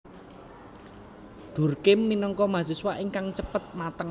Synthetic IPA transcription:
ɖ̪̥ṳrkɪmːinɔŋkɔmasiswaʔiŋkaŋt͡ʃəpət̪̚mat̪əŋ

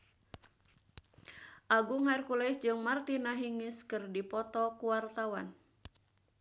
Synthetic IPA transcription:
ʔaɡuŋɦarkulɛisd͡ʒɨŋmart̪inaɦiŋiskɨrdipɔt̪ɔkuwart̪awan

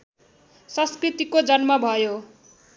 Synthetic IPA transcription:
sʌ̃skrit̪ikod͡zʌnmʌbʱʌjo

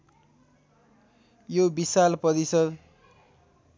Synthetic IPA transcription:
jobisalpʌɾisʌd̪

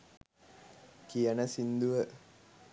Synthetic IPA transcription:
kijənəsind̪uʋə

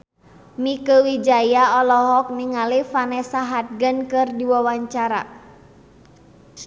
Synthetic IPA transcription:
mikəwid͡ʒajaɔlɔɦɔk̚niŋalifanɛsaɦat̪̚ɡənkɨrdiwawaɲt͡ʃaɾa̰

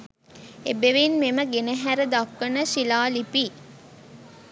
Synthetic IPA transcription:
ḛbeʋinmeməɡenəɦæɾəd̪akːənəʃilaːlipi

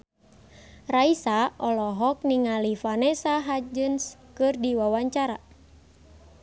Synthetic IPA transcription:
raisaʔɔlɔɦɔk̚niŋalifanɛsaɦad͡ʒɨnskɨrdiwawaɲt͡ʃaɾa

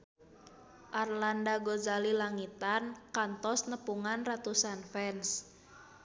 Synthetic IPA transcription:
ʔarlandaɡozalilaŋit̪ankant̪ɔsnəpuŋanrat̪usanfɛns

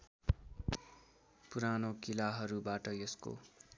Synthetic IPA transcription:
puɾanokilaɦʌɾubaʈʌjʌsko̰

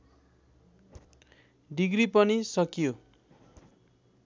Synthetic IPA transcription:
ɖiɡripʌnisʌkijo

